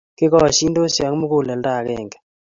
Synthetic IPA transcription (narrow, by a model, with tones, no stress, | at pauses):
kɪ˦kɔ˦˨ʃi˦ndo˦sa˨ŋ˦mʊ˦kʊ˦˨lɛ˨lda˦˨kɛ˨ŋɡɛ̥˨